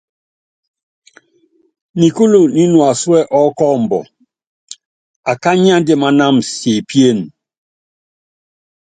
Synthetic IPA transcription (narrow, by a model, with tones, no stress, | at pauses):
ni˨ku˦lo˨ni˦nwa˨swɛ˦˨ʔɔ˦kɔ˦˨m˨bɔ̰˨ | a˨ka˦ɲ˦a˦n˦de˦ma˦˨na˦mse˨pje˦˨n